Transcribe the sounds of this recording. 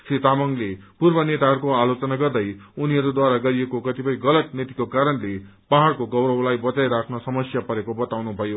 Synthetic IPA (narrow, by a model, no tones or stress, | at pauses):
sit̪amʌŋlepurbʌnet̪aɦʌɾukoalot͡sʌnaɡʌrd̪ʌjuniɦʌɾud̪waɾaɡʌɾiekokʌt̪ipʌjɡʌlʌt̪̚net̪ikokaɾʌnle | paɦaɽkoɡʌwɾʌwlajbʌt͡sajɾakʰnʌsʌmʌsjapʌɾekobʌt̪awnubʱʌjo